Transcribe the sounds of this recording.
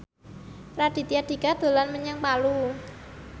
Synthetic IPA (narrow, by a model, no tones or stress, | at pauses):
rad̥i̤t̪iad̪̥i̤kad̪̥o̤lanməɲaŋpalu